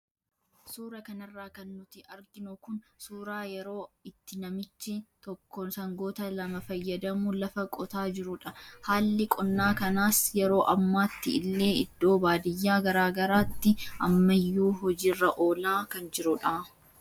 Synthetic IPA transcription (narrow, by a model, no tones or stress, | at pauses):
suːɾɐkɐnɐrːaːkɐnːʊt̪ɪɐɾɡɪnʊkʊnsuːɾaːjɛɾo̞ːɪt̪ːɪnɐmɪt͡ʃːɪt̪ɔkːɔnsɐŋɡo̞ːt̪ɐlɐmɐfɐjːɐd̪ɐmʊlɐfɐkʼɔt̪aːd͡ʒɪɾʊᶑɐhaːlːɪkʼɔnːaːkɐnaːsjɛɾo̞ːʔɐmːaːt̪ːɪɪlːe̞ːɪd̪ːo̞ːbaːd̪ɪjːaːɡɐɾaːɡɐɾaːt̪ːɪʔɐ̰mːɐjːuːɦɔd͡ʒiːrːɐʔo̞ːlaːkɐnd͡ʒɪɾʊᶑa